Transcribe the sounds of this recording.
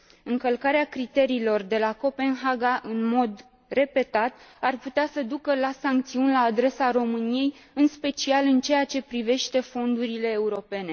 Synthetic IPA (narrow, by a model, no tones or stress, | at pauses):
ɨŋkəlkaɾeakɾit̪e̞ɾiːlo̞rd̪e̞lako̞pe̞nɦaɡaʔɨnmo̞d̪ | re̞pe̞t̪at̪arput̪easəd̪ukəlasaŋk̚t̪siunʲlaːd̪ɾe̞saɾo̞mɨnije̞jɨnspe̞t͡ʃialɨnt͡ʃe̞at͡ʃe̞pɾive̞ʃt̪e̞fo̞nd̪uɾile̞ːuɾo̞pe̞ne̞